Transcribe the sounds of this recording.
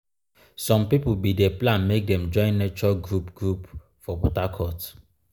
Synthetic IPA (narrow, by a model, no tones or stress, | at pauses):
sɔ̃mpipubideplãnmek̚dɛ̃md͡ʒɔ̃ɪ̃nːet͡ʃɔɡɾupɡɾup | fɔbɔtakʰɔt